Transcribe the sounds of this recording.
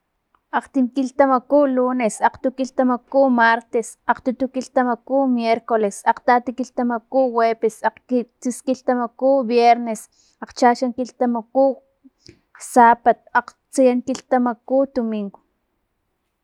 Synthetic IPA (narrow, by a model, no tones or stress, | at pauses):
aqt̪imkilt̪amakulunesaqt̪ukilt̪amakumaɾt̪esaqt̪ut̪ukiɬt̪amakumjeɾkolesaqt̪at̪ikiɬt̪amakuwepesaqit͡siskiɬt̪amakubjeɾnes | aqt͡ʃaʃaŋkilt̪amaku | saːpat̪̚aq | t͡sijaŋkiɬt̪amakud̪omiŋɡo̥